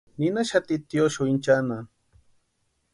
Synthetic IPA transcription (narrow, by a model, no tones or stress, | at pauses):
ninaʃat̪it̪joʃuint͡ʃana